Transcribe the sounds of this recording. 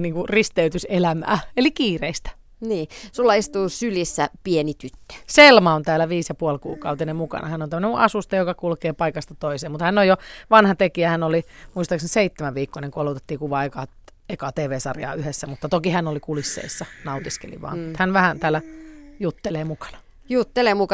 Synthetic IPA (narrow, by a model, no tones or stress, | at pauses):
niːŋkurist̪eyt̪yselæmæ̰ːelikiːreist̪æ̥ | niːsulːɑist̪uːsylisːæpienit̪yt̪ːø̥selmɑont̪æːlːæʋiːsjɑpuolkṵːkɑut̪inemmukɑ̰nʔɑ̰hænːont̪æmːøneuʔɑsust̪ɑjokɑkulkeːpɑikɑst̪ɑt̪oiseːmut̪hænːojoʋɑnhɑt̪ekiæhænːolimuist̪ɑkseseit̪ːemæʋʋiːkːoneŋkuɑlot̪et̪ːiːkuʋɑekɑ | ekɑt̪eːʋeːsɑ̰rjɑ̰ːyhesːæmut̪ːɑt̪okihænolikulisːḛisːɑnɑut̪iskḛlḭʋɑ̰ːnut̪hænʋæhænt̪æːlːæjut̪ːeleːmukɑ̥nɑ̥ | jut̪ːeleːmukɑ